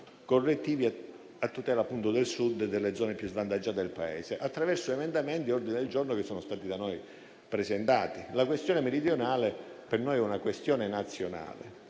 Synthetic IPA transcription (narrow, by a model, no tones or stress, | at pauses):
korːet̪ːiːvi | at̪ːut̪ɛːlaːpːunt̪od̪elsud̪d̪elːed̪zɔːnepjuzvant̪ad͡ʒːaːt̪ed̪elpaɛ̰ːseʔat̪ːɾavɛrsoemend̪ament̪iɔrd̪ined̪eld͡ʒornokesːɔːnost̪aːt̪id̪anoj | pɾezent̪aːt̪ilakwest̪jɔːnemeɾid̪jonaːlepernojɛunakwest̪jɔːnenat̪sːjona̰ːlḛ